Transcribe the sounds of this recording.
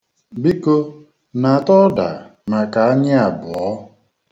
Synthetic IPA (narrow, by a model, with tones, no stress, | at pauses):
bi˦ko˦ | na˨a˨tɔ˦da̰˨na˨ka˨a˦ɲɪ˦a˨bʊ˨ɔ˦